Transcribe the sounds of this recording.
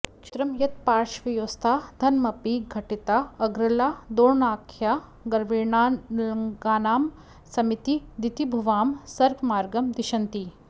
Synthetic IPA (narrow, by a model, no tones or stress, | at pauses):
kʃɾɐmjɐt̪̚paːɾʃʋijoːst̪ʰaːd̪ʱɐnmɐpiɡʱɐʈit̪aɐɡɾɐlaːd̪oːnaːkʰja | ɡɐɾʋiːɳaɐŋɡaːnaːm | sɐmit̪id̪it̪ibʱuʋaːmsɐɾɡmaːɾɡɐmd̪iʃɐnt̪i